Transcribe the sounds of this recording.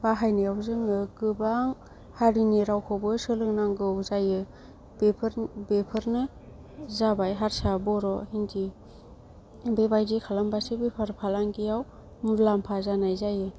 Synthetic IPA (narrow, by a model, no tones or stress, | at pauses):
baɦajnijawzɯŋɯɡɯbaŋ | haɾiniɾawkʰɔbɯsɯlɯŋnaŋɡɯwzajɯ | bepʰɯɾbepʰɯɾnɯ | zabajɦaɾsabɔɾɔhindi | bebajdikʰalambasebepʰaɾpʰalaŋɡijaw | mulampʰazanajzajɯ